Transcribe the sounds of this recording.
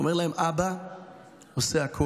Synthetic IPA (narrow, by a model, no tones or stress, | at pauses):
omeʁlahemʔaba | oseakʰo